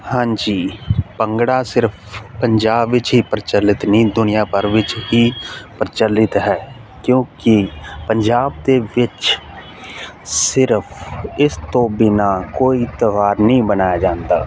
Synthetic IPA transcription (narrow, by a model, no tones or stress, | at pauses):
hãːɲd͡ʒiːpəŋɡɽaːsɪɾpʰpəɲd͡ʒaːbːɪt͡ʃɦiːpəɾɪt͡ʃəlːɪt̪nĩːd̪ʊnɪjãːpəɾʋɪt͡ʃɦiːpəɾɪt͡ʃəlɪt̪ɦɛː | kjõːkipəɲd͡ʒaːb̚d̪eːʋɪt͡ʃ | sɪɾpʰɪst̪õːbɪnaːkoːit̪əʋaːɾnəĩːbənaːjad͡ʒãːnd̪aː